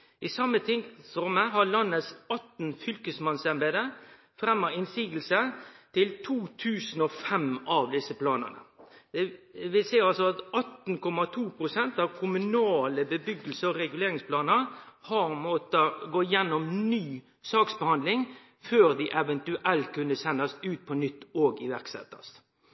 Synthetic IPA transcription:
ʔɪsɑmːət̪ʰɪŋsɾɔmːəɦɑɭɑnːəsɑt̪n̩fʏlkəsmɑnsɛnbeːd̪ə | fɾɛmːəɾɪnsiːɡəl̩sət̪ʰɪlt̪ʰuːt̪ʰʉːsn̩ɔfɛmɑʋd̪ɪsəpʰlɑːnə̰nə̰d̪ɛʋɪlsɛɪɑlsɔɑt̪ɑt̪nkʰɔmɑt̪ʰuːpʰɾʊsɛnt̪ɑʋkʰʊmʉnɑːləbəbʏɡəl̩səɔɾɛɡʉleːɾɪŋspʰlɑːnəɾhɑɾmɔt̪əɡoːjɛnːɔmnyː | sɑːksbəhɑnd̪lɪŋ | føːɾd̪ɪʔɛʋɛnt̪ʉʔɛlt̪̚kʰʉnəsɛnːɑst̪ʉːt̪̚pʰɔnʏt̪ːoːɡɪʋæʁksɛ̰t̪ːɑ̰st̪

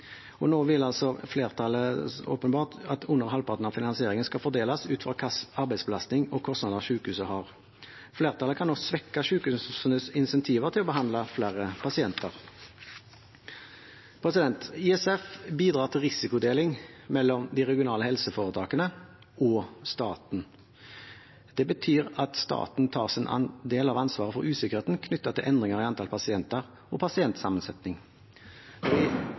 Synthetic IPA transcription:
ʔɔnoːʋɪlːɑlsɔfleːʁt̪ʰɑləo̰ːpənbɑːʁtɑt̪ʰʊnːəʁhɑlpʰɑt̪n̩ɑʋfɪnɑnsɪeːʁɪŋənskɑfɔʁd̪eːlɑsʉːt̪fʁɑkʰɑsɑɾbæɪsbəlɑst̪nɪŋɔkʰɔst̪nɑːd̪əʁʃʉːkəhʉːsəhɑʁ | fleːʁt̪ʰɑləkʰɑnːɔsʋɛkːɑʃʉːkhʉːssənəsɪnsɛnt̪ʰiːʋəʁt̪ʰɪlɔbəɦɑnd̪lɑflæʁəpʰɑsɪɛnt̪ʰəʁ | pʰɾɛsɪd̪ɛnt̪ɪɛsɛfbiːd̪ʁɑːʁt̪ʰɪlʁɪsɪkʊd̪eːlɪŋmɛlːɔmd̪iːʁɛɡɪʊnɑːləhɛlsəfoːʁət̪ʰɑːkənə | ɔst̪ɑːt̪n̩ | d̪̥ɛbət̪ʰyːʁɑt̪st̪ɑ̰ːt̪n̩t̪ʰɑ̰ːʁsɪnʔɑ̰nd̪eːlɑʋɑnsʋɑːʁəfɔʁʉːsɪkəʁeːt̪n̩kʰnʏt̪ːɑt̪ɪlʔɛnd̪ʁɪŋəʁiɑnt̪ʰɑːlpʰɑsɪɛnt̪əʁ | ɔpʰɑsɪɛnt̪sɑmənsɛt̪nɪŋ | ɔʋɪ

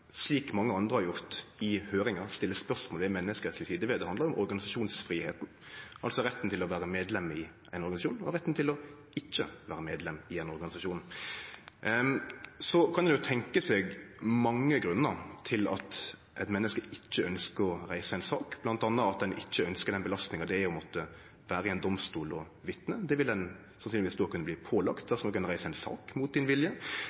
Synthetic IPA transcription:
sliːkmɑŋːəɑnd̪ʁəhɑɾjʊɾt̪ɪhøːɾɪŋɑɾst̪ɪlːəspœʂmɔːlʋɛmɛnːəskəslɪsiːd̪əʋɛd̪ɛhɑnd̪əɾʊmɔɾɡɑnɪsɑʂuːnsfɾiːhḛːt̪n̩ | ʔɑlsɔɾɛt̪ːn̩t̪ʰɪlɔʋæːɾəmeːd̪lɛmːɪ | ʔæɪnɔɾɑnɪsɑʃuːnɔ̰ɾɛt̪ːnt̪ʰɪlɔ | ɪt͡ʃːə̰ʋæːɾəmeːd̪lɛmːɪɛnɔɾɡɑnɪsɑʃuːn | sɔkʰɑnɛnjʊt̪ʰɛŋkəsɛːɡmɑŋːəɡɾʉnːəɾt̪ʰɪlɑ̰t̪ | ʔɛt̪mɛnːəskəɪt͡ʃːəœnskəɾɔɾæɪsəæɪnsɑːkb̥lɑnt̪ɑnːəɑt̪̚d̪ɛnʔɪt͡ʃːəœnskəd̪ɛnbəlɑst̪nɪŋɑd̪ɛæpʰɛmɔːt̪ə | ʋæːɾəɛɪnd̪ɔmst̪uːlɔ | ʋɪt̪nəd̪ɛʋɪld̪ɛn | sɑnsynlɪʋisd̪ʉhɑkʉnːəbliːpʰoːlɑkt̪̚d̪æɾsɔnɔkːʉnəɾæɪsəæɪnsɑ̰ːkmʊt̪̚d̪ɪnʋɪljə

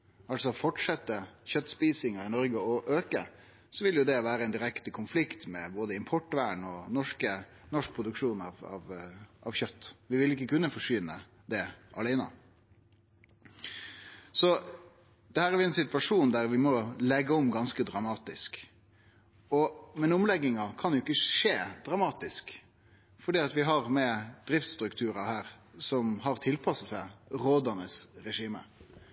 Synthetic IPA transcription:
ɑlsɔfɔʈʂɛt̪ːəçœt̪ːspiːsɪŋəɪnɔɾɡəɔʔøːkə | sɔʋɪljʊd̪ɛʋæːɾəɛɪnd̪ɪɾɛkt̪əkʰʊnflɪkt̪mɛboːd̪əɪmpʰɔʈːʋæːɳɔnɔʂkə | nɔʂk̚pʰɾʊd̪ʉkʂuːnɑʋɑ̰ʋʔɑ̰ʋçœt̪ːʋɪʋɪlɪkːəkʉnːəfɔʂʏnə | d̪ɛʔɑ̰læɪnə̰ | sɔ | d̪̥ɛhæːɾæɾʋɪɛnsɪt̪ʋɑʂuːnd̪æɾʋɪmɔlɛɡːəɔmɡɑnskəd̪ɾɑmɑːt̪ɪsk | ɔmɛnʊmlɛɡːɪŋɑkʰɑnd̪ɛʊɪkːəʂeːd̪̥ɾɑmɑːt̪ɪsk | fɔɖiːɑt̪ʋɪɦɑʁmɛd̪̥ɾɪft̪st̪ɾʉkt̪ʰʉːɾɑhæːɾsɔmhɑɾt̪ʰɪlpʰɑsəsæɪɾoːd̪ɑnəsɾɛʂiːmə̰

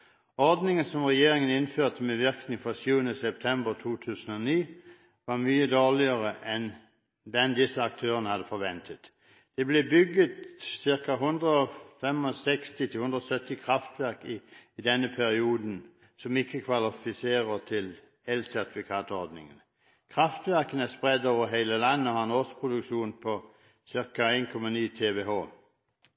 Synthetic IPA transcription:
ɔɾd̪nɪŋənsɔmʁɛjeːɾɪŋənɪnføːt̪əmɛʋɪʁknɪŋfʁɔsjʉːənəsɛp̚t̪ʰɛmbəʁt̪ʰuːt̪ʰʉːsənɔniː | ʋɑʁmyːəd̪oːʁlɪəʁəʔɛn | d̪ɛnd̪ɪsəɑk̚t̪ʰøːʁənəhɑd̪əfɔɾʋɛnt̪ʰət̪ | d̪̥ɛblebʏɡət̪sɪʁkɑɦʊnd̪ʁəɔfɛmɔsɛkst̪ɪt̪ʰɪhʉnd̪ʁɔsœt̪ːɪkʰʁɑft̪ʋæʁkɪd̪ɛnːəpʰæɾɪuːd̪n̩ | sɔmɪkːəkʰʋɑlɪfɪseːʁət̪ʰɪl | ɛlsæʁt̪ɪfɪkʰɑːt̪ʊɔɾd̪nɪ̰ŋən | kʰʁɑft̪ʋæʁkənæspʁɛd̪oːʋəɾɦeɪləlɑnːəɔhɑɛnɔspʰʁʊd̪ʉkʃuːnpʰɔ | sɪʁkɑæɪnkʰɔmɑniːt̪ʰeːʋeːɦoː

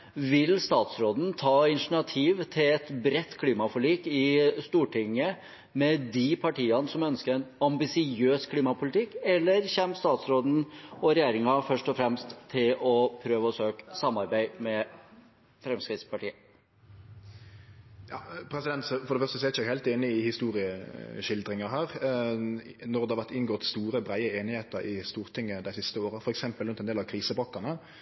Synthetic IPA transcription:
ʋɪlst̪ɑːt̪sɾoːd̪n̩t̪ʰɑːɪnʂɳ̩ɑt̪ʰiːʋt̪ʰɪlɛt̪bɾɛt̪ːkʰliːmɑfɔliːkɪst̪uːʈʰɪŋːə | mɛd̪ɪpʰɑʈiːɑnəsɔmœnskəɾɛnɑmbɪsɪøːskʰliːmɑpʰʊlɪt̪ʰɪkːɛlːəɾçɛmst̪ɑːt̪sɾoːd̪n̩ɔɾɛjeːɾɪŋɑfœʂʈɔfɾɛmst̪ʰːɪlɔpʰɾøːʋəɔsøːksɑmɑɾbæɪmɛ | fɾɛmskɾɪt̪spɑʈiːə | jɑːpʰɾɛsɪd̪ɛnt̪sɔfɔɾd̪ɛfœʁst̪əsɔɛæɾɪçəæɡhæɪlt̪eːnɪɪhɪst̪uːʁɪəʃɪld̪ɾɪŋəɦæːʁ | nɔʁd̪ɛhɑʋæʁt̪ɪnɡoːt̪st̪uːɾəbʁæɪəeːnɪheːt̪əɾɪst̪uːʁt̪ʰɪŋːəd̪æɪsɪst̪əoːɾəfɔɾɛksɛmpəlɾʉnt̪ɛnd̪eːlɑʋkʰɾiːsəbɔkːɑnə

